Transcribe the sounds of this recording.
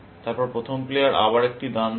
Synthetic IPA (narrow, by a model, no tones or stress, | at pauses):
t̪aɾpɔɾpɾot̪ʰomplejaɾʔa̰baɾek̚ʈid̪an